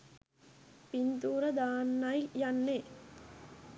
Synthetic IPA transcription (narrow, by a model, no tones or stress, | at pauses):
pint̪uːɾɐd̪aːnːɐjjɐnːe